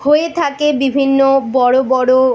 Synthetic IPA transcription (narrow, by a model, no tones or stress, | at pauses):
hoet̪ʰakebibʱinːobɔɽobɔɽo